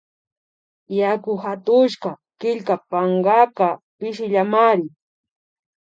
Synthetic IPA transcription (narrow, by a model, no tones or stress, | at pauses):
jakʊhat̪ʊʃka | kɪʎkapaɴɢɑpapɪʃɪʎamaɾɪ